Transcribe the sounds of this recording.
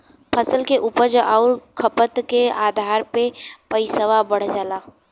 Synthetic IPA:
pʰəsəlkeʔuːpəɾd͡ʒoʔaːɾkʰəpət̪keaːd̪ʱaːɾpepəɪsəʋabəɽ̤d͡ʒaːlaː

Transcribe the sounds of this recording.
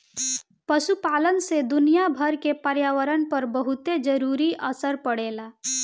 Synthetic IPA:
pəʃupaːlənsed̪ʊnijabʱəɾkepəɾjaːʋəɾənpəɾbəɦʊt̪ed͡ʒəɾuːɾiʔəsəɾpəɽeːlaː

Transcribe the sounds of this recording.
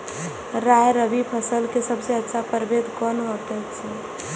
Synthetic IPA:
ɾajɾəbipʰəsəlkesəbseətːʃʰapəɾbed̪ʱkɔnɦot̪ɛt͡ʃʰɛ

